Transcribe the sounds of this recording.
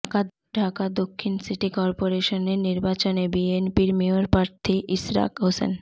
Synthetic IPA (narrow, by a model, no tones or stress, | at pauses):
ka | ɖʱakad̪okʰːinsiʈikɔɾpoɾeʃoneɾniɾbat͡ɕonebienpiɾmioɾpɾaɾt̪ʰiʔisɾa̰kɦosḛn